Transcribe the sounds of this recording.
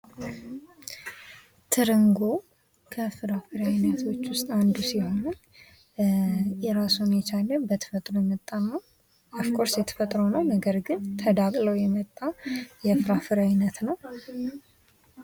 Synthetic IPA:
t̪ʰɨɾɨŋɡo̞ | kʰəfɨɾafɨɾajnət̪ʰo̞t͡ʃːwʊst̪ʼand̪usiho̞nɨn | jɛɾasumjɛt͡ʃalːənbət̪ʰə̥fət̪ʼɾojɛmət̪ʼːana | afkʰoɾsjɛt̪ʰə̥fət̪ʼɾəwnəwnəɡəɾɡɨnt̪ʰəd̪akʼləwjɛmət̪ʼːajɛfɨɾafɨɾajnət̪nəw

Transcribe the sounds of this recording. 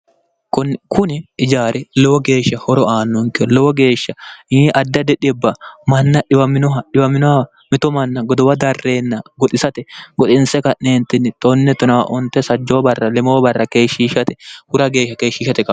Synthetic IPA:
kʊnkʰʊnɪɪd͡ʒaːɾɛlɔwɔɡe̞ːʃːɐhɔɾɔaːnːɔŋkɪɔlɔwɔɡe̞ːʃːɐiːʔɐd̪ːɐd̪ɛᶑɪbːɐmɐnːɐᶑɪwɐmɪnɔɦɐᶑɪwɐmɪnɔhɐ | mɪt̪ɔmɐnːɐɡɔd̪ɔwɐd̪ɐrːe̞ːnːɐɡɔt̪ʼɪsɐt̪ɛɡɔt̪ʼɪnsɛkɐʔneːnt̪ːɪnːɪt̪ʼɔnːɛt̪ɔnɐwɐ̰ʔɔnt̪ːɛsɐd͡ʒːoːbɐrːɐlɛmoːbɐrːɐkeːʃːiːʃɐt̪ɛ̥hʊɾɐɡe̞ːʃːɐkeːʃːɪʃɐt̪ɛkɐ

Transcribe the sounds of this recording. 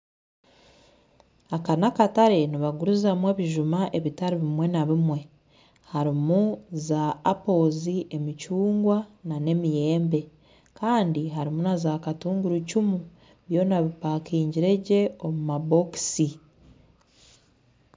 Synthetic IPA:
akanakataɾe̞niβaɡuɾuzamwe̞ːβiʒumaʔe̞βitaɾiβimwe̞naβimwe̞ | haɾimuzaːpo̞ziʔe̞mit͡ʃuːŋɡwanane̞mije̞ːmbe̞ | kaːndiɦaɾimunazakatuːŋɡuɾucumu | βjo̞naβipaːkiːɲɟiɾe̞ɟe̞o̞mumabo̞ksi

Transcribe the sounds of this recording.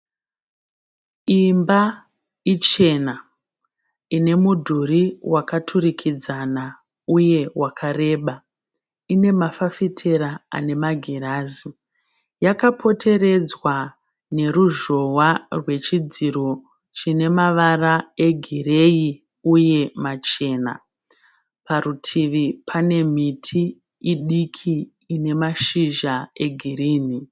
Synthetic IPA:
imba | it͡ʃe̞na | ine̞mudʱuɾiwakatʰurikʰid͡zana | uje̞wʔakʰare̞ːɓa | ine̞mafafitʰe̞ɾaa̰ne̞maɡʱiɾaːzi | jakapʰo̞tʰe̞re̞d͡zwa | ne̞ɾuʒo̞warwe̞t͡ʃid͡ziɾo̞ | t͡ʃine̞maʋarae̞ɡʱire̞i | uje̞mat͡ʃe̞ːna̰ | paɾutʰiʋipʰane̞mitʰiː | ɗikʰiː | ne̞maʃiʒae̞ɡʱiriːni

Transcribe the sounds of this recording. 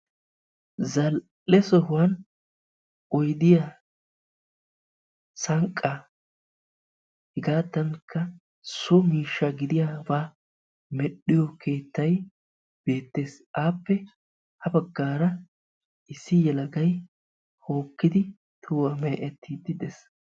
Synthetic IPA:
zɐlː | ɛsɔɦʊwɐn | ɔjd̪ɪja | sɐŋkʼːɐ | hɪɡaːt̪ːɐŋkʰːɐ | sɔmiːʃːɐɡɪd̪ɪjaːbaː | mɛɗːɪjɔkʰe̞ːt̪ːɐj | b̥e̞ːt̪ːe̞ːs | aːpːɛ | hɐbɐɡːaːɾɐ | ʔɪsːɪjɛlɐɡɐj | ho̞ːkːɪd̪ɪ | t̪ʰuːwɐmeːʔɛt̪ːiːd̪ɪd̪ɛs

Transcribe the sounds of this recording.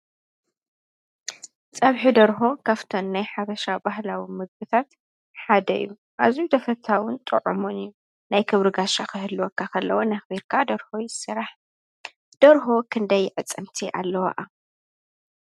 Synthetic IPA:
t͡sʼɐβħid̪ɐɾxo̞kʰaft̪ʰonːajħaβɐʃabaɦlawimɨɡ̚bɨt̪ʰat̪ | ħad̪ɐḭjːu | ʔazut̪ʰɐfɐt̪ʰːawʊnt̪ʼɨ̰ʕumunɨjːu | najkʰɨβɾɨɡaʃakɨɦɨlːwokʰːakʰɐlːɐwonɐxbiɾkʰad̪ɐɾxojɪsɨɾaħ | d̪̥ɐɾxokʰɨnd̪ɐjːɪʕɨt͡sʼːɨmt̪ʰiʔa̰lːɐwa̰ʔa

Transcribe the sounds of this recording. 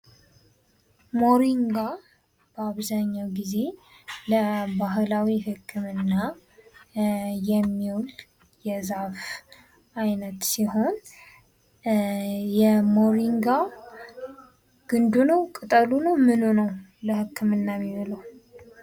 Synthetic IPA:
mo̞ɾiŋɡa | b̥əaβzaɲːawɡize̞ | ləbaɦlawihɨkʰːɨmɨnːa | jɛmːiwl | jɛzaf | ajnət̪siho̞n | jɛmo̞ɾiŋɡa | ɡ̥ɨnd̪unəwkʼɨt̪ʼəlunəwmɨnunəwləhɨkʰːɨmɨnːamːiβɨləw

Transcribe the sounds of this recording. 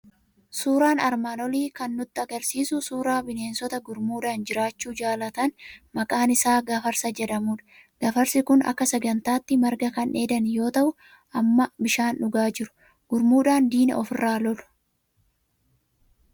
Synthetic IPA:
suːɾaːnɐɾmaːnɔliːkɐnːʊt̪ːɐɡɐɾsiːsʊsuːɾaːbɪne̞ːnsɔt̪ɐɡʊɾmuːᶑaːnd͡ʒɪɾaːt͡ʃːuːd͡ʒaːlɐt̪ɐnmɐkʼaːnɪsaːɡɐfɐɾsɐd͡ʒɛᶑ̪ɐmuːᶑɐ̥ | ɡ̥ɐfɐɾsɪkʊnɐ̰kːɐsɛɡɐnt̪aːt̪ːɪmɐɾɡɐkɐnʔe̞ːd̪ɐnjo̞ːt̪ɐʔʊ | ʔɐmːɐbɪʃaːnʔʊɡaːd͡ʒɪɾʊ̥ | ɡ̥ʊɾmuːᶑaːnd̪iːnɐ̰ɔfɪrːaːlɔlʊ̥

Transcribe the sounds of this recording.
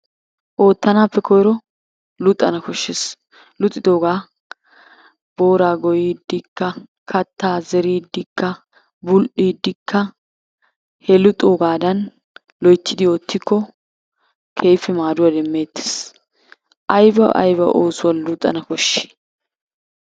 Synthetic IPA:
ʔo̞ːt̪ːɐnaːpːɛkʰɔjɾɔ | lʊt̪ʼːɐ̰nɐkɔʃːes | lʊt̪ʼːɪd̪o̞ːɡaː | bo̞ːɾaːɡɔjid̪ːɪkːɐ | kʰɐt̪ːaːzɛɾiːd̪ːɪkːɐ | bʊlʔiːd̪ːɪkʰːɐ | hɛlʊt̪ʼːoːɡaːd̪ɐn | lɔjt͡ʃːɪd̪ɪoːt̪ːɪkʰːɔ | kʰe̞ːfɪmaːd̪ʊwɐd̪ɛmːe̞ːt̪ːe̥ːs | ʔɐjbɐʔɐ̰jbɐ̰ʔoːsʊwɐnlʊt̪ʼːɐ̰nɐkɔʃːe̥

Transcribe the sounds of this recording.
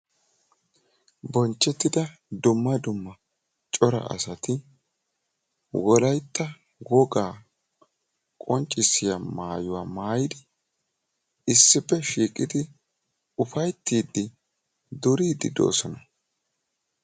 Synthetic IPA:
bɔnt͡ʃːɛt̪ːɪd̪ɐd̪ʊmːɐd̪ʊmːɐ | t͡ʃʼɔɾɐ̰ʔɐ̰sɐt̪ɪ | wɔlɐjt̪ːɐ | wɔɡaː | kʼɔnt͡ʃʼːɪsːɪjamaːjʊwaːmaːjɪd̪ɪ | ɪsːɪpːɛʃiːkʼɪd̪ɪ | ʊfɐjt̪ːiːd̪ːɪ | d̪ʊɾiːd̪ɪ̰d̪o̞̰ːsɔnɐ

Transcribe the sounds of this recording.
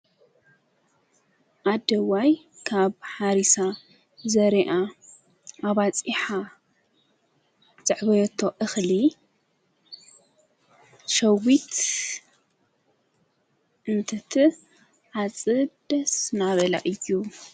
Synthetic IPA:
ʔad̪ɐwaj | kʰaβħaɾisa | zɐɾiʔa | ʔaβat͡sʼiħa | z̥ʼɨʕβɐjt̪ʰoʔɨxli | ʃɐwit̪ | ʔɨnt̪ʰɐt̪ʰi | ʕat͡sʼɨd̪ɐsnaβɐla̰ʔɨjːu

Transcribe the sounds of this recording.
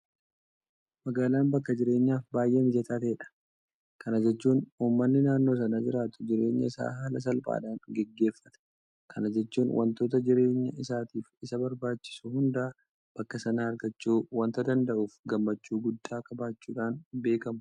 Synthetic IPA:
mɐɡaːlaːnbɐkːɐd͡ʒɪɾe̞ːɲːaːfbaːjʔeːnɪd͡ʒɐt̪aːt̪ɐɛᶑɐ̥ | kʰɐnɐd͡ʒɛt͡ʃːuːnuːmːɐnːɪnaːnːo̞ːs̬ɐnad͡ʒɪɾaːt̪ʊ̥d͡ʒɪɾe̞ːɲːɐ̰ɪsa̰ːɦaːlɐs̬ɐlba̰ːᶑaːnɡɛɡːeːfːɐt̪ɐ̥ | kʰɐnɐd͡ʒɛt͡ʃːuːnwʔɐ̰nt̪o̞ːt̪ɐd͡ʒɪɾe̞ːɲːɐ̰ʔɪsaːt̪iːfɪsɐbɐɾbaːt͡ʃːɪ̥sʊhʊnd̪aː | b̥ɐkːɐsɐnaːɐɾɡɐt͡ʃːuːwɐnt̪ɐd̪ɐnd̪ɐʔuːfɡɐmːɐt͡ʃːuːɡʊd̪ːaːkɐbaːt͡ʃːuːᶑaːnbe̞ːkɐmʊ

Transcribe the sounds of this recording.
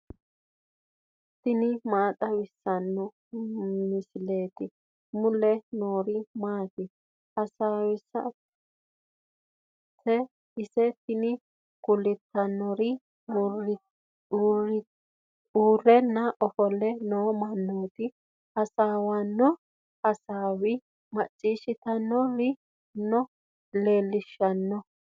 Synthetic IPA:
t̪ɪnɪmaːt̪ʼɐwɪsːɐnːɔ | mɪsɪleːt̪ɪ | mʊlɛnoːɾɪmaːt̪ɪ | ʔɐsaːwɪsːɐ̰ | tʰːɛ | ɪsɛt̪ɪnɪ | ɡ̥ʊlːɪt̪ːɐnːɔɾɪ | uːrɛnːɐʔɔfɔlɛnoːmɐnːoːt̪ɪ | ɐsaːwanːɔ | ɐsaːwɪ | mɐt͡ʃʼːiːʃɪt̪ɐnːɔɾɪ | nːɔ | leːlːɪʃːɐnːɔ

